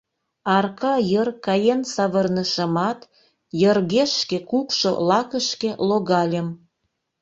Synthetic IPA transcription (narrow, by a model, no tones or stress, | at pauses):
ɑrkɑjərkɑjensɑβərnəʃəmɑt̪ | jərɣeʃkekukʃo̰lɑkəʃkeloɣɑlʲəm